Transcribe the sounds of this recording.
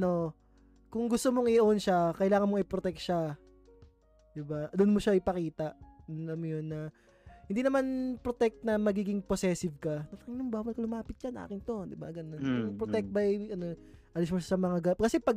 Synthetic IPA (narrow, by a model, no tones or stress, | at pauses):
no̞ | kʊŋɡʊst̪omoŋɪʔɐʔonʃakɐɪlaːŋɐnmoŋɪpɾot̪ɛk̚t̪ʃa | d̪ɪbad̪ʊnmoʃaɪpɐkiːt̪ɐʔʊnlɐmːojonːɐ | hɪnd̪inɐmanpɾot̪ɛk̚t̪nɐmɐɡiːɡɪŋposɛsɪvkɐnɐɐkɪŋlɐŋbaːwɐlkɐlʊmaːpɪt̪̚t͡ʃana̰ːkɪnt̪o̞d̪ɪba̰ʔɐɡɐd̪ɐnkʊŋpɾot̪ɛk̚t̪̚bɐjʔɐnoʔɐlɪsmoʃasɐmɐŋaɡɐkɐsɛpɐɡ